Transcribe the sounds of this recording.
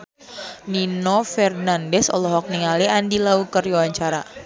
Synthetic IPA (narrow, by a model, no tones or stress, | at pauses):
ninɔfɛrnandɛsɔ̰lɔɦɔk̚niŋaliandilaukəruwaɲt͡ʃaɾa